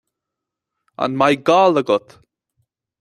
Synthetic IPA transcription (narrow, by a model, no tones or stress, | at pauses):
a̰nmajɡaːləɡʊt̪